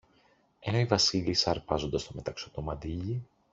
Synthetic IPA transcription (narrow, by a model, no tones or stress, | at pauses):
e̞no̞ivɐsilisɐɾpɐzond̪ɐst̪ome̞t̪ɐksot̪o̞mɐd̪iʎi